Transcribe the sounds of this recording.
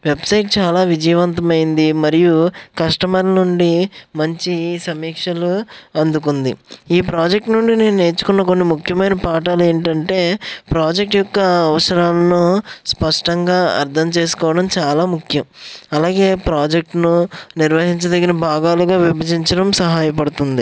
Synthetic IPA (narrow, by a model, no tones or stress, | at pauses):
ʋebsɐjʈ̚t͡ʃaːlaːʋid͡ʒɐjʋɐnt̪ɐmɐjind̪imɐɾijukɐʂʈɐmɐɾnuɳɖimɐɲt͡ʃisɐmiːkʂɐluɐnd̪uk̬und̪iiːpɾaːd͡ʒek̚ʈnuɳɖine̞ːnune̞ːt͡ʃu̥kunːɐko̞nːimukʰjɐmɐjnɐpaːʈ̬aːleːɳʈɐɳʈe̞ːpɾaːd͡ʒek̚ʈjɔkːɐːʋɐsɐɾaːlɐnuspɐʂʈɐŋɡaːɐ̰ɾd̪ʰʱɐmt͡ʃe̞ːsu̥kɔːʋɐɽɐmt͡ʃaːlaːmukʰjɐmɐlaːɡe̞ːpɾaːd͡ʒek̚ʈnuniɾʋɐɦiɲt͡ʃɐd̪ɐɡːɐɾɐbʱaːɡaːluɡaːʋibʱɐd͡ʒiɲt͡ʃɐɽɐmsɐɦaːjɐp̬ɐɽut̪und̪i